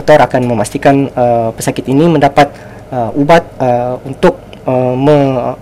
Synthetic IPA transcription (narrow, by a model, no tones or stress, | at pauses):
t̪ɔɾakanmə̃mast̪ikanəpəsakɪt̪inimə̃ndapat̪̚ | əubat̪̚əunt̪ʊk̚ | əmə̃